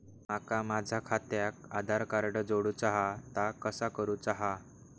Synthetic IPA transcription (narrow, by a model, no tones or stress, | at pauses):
makamad͡zʱakʰat̪jakad̪ʱaɾkaɾɖəd͡zoɽuːt͡saɦat̪akəsakəɾuːt͡saɦa